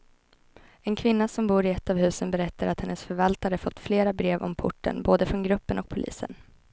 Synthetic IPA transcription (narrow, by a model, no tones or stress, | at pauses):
ɛnkʰvɪnːasɔmbuːɾɪɛt̪ːavhʉ̟ːsənbɛɾɛt̪ːaɾat̪hɛnːəsfœɾvalt̪aɾəfɔt̪ːfleːɾabɾeːvɔ̰mpʰʊ̰ʈːə̰nboːd̪əfɾɔnɡɾɵpːənɔk̚pʰʊlʔḭːsə̰n